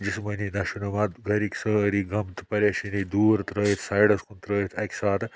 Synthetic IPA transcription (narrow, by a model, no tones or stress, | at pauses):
d͡ʒismənid̪ɐʃunumat̪ɡɐɾikʲsə̃ɐɾiɡɐmt̪pɐɾjɐʃinid̪uːɾt̪ɾəːjit̪ʰsajɽɐskunt̪ɾəːjit̪ʰɐkʲsaːt̪